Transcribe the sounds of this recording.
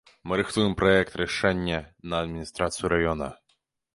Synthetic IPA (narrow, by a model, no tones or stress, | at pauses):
mɨɾɨxt̪ujɪmpɾɔjɛk̚t̪ɾɛʂɛnʲːɐnɐːd̪mʲinʲist̪ɾat̪sɨjuɾajɔnɐ̰